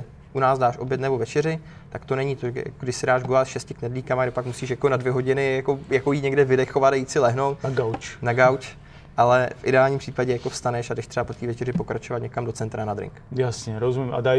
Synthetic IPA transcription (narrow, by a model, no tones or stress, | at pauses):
ʔunaːzdaːʃʔo̞bjɛt̪nɛbo̞vɛt͡ʃɛrɪ | t̪akt̪o̞nɛɲit̪oja̰koɡdɪʃsɪdaːʒɡolat̪ʃɛscɪknɛdliːkamaɡdɛpakmusiːʃjako̞nadvjɛɦo̞ɟɪnɪjako̞jako̞jiːɲɛɡdɛvɪdɛxo̞vat̪ajiːt͡sɪlɛɦnowt̪ɡawt͡ʃnaɡawt͡ʃ | ʔalɛfʔɪdɛaːlɲimpr̥iːpaɟɛjako̞fst̪anɛʃadɛʃt̪r̥ɛbapot̪iːvɛt͡ʃɛɾɪpokɾat͡ʃovat̪ɲɛkamdo̞t͡sɛnt̪ɾanadɾɪ̰ŋkjasɲɛɾozumɪma̰daj